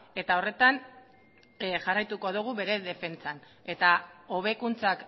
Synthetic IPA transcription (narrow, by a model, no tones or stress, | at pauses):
e̞t̪ao̞re̞t̪an | ʝarajt̪uko̞ð̞uɣ̞uβe̞ɾe̞ðe̞fe̞nt͡san | e̞t̪ao̞β̞e̞kunt͡sak